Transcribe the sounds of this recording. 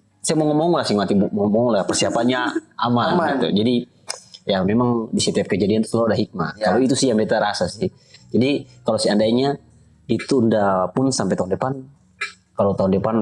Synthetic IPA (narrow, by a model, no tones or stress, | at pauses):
saɛmɔŋɔmɔŋɔlasiŋmat̪imɔmɔŋɔlapɛrsiapanɲaʔamalmit̪ṵd͡ʒadi | jamɛmaŋdisɛt̪iap̚kəd͡ʒadiant̪u̥sladaɦik̚ma̰aloit̪usijambɛt̪aɾasasih | d͡ʒadikalosiandaiɲa | it̪undapunsampɛt̪aundɛpan | kalot̪aundɛpan